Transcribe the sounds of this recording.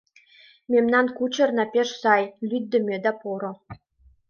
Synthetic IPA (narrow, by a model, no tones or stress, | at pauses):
mʲemnɑnkut͡ɕɤ̆rnɑpʲeʂsɑjlʲyd̪ʲːɘ̆mʲed̪ɑpoɾɤ̆